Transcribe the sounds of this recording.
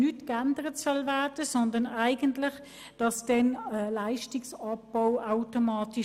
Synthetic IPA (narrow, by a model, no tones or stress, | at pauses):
nytkændəʁətsœlvæɐd̥əsɔndɐnaɪɡəntlɪχ | d̥ɑsd̥ɛnəlaɪʃtɪksɑpːaʊaʊtomɑːti